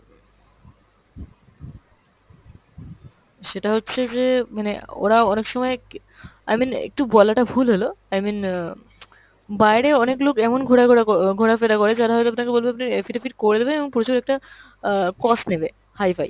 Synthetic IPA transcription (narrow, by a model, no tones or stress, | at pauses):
ʃeʈaɦotːɕʰed͡ʑemaneo̰ɾaɔnekʃɔmɔe | a̰jminḛk̚ʈubɔlaʈabʱulɦoloajmin | bajɾeɔneklokɛmonɡʱoɽaoaɡʱoɽafed̪akoɾed͡ʑaɾaɦojt̪oapnakebolbeapnaɾefiʈafiɾkoɾed̪ebeeboŋpuɾot͡ɕoɾɛk̚ʈa | kɔsʈnebe | hajfaj